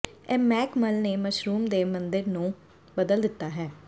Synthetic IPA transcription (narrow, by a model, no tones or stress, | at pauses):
ɛːmɛːkməlneːməʃɾuːmd̪eːmənd̪ɪɾnũː | bəd̪əld̪ɪt̪ːaːɦɛː